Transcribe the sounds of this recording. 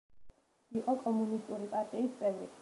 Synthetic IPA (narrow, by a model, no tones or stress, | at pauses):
iqʼɔkʼɔmunist̪ʼuɾipʼaɾt̪ʼiːst̪sʼɛvɾḭ